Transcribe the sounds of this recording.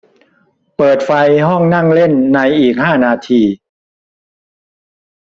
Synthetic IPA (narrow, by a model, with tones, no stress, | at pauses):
pɤː˨˩t̪̚fa˧jɦɔ˥˩ŋna˥˩ŋle˥˩nːa˧jʔiː˨˩k̚haː˥˩naː˧t̪ʰiː˧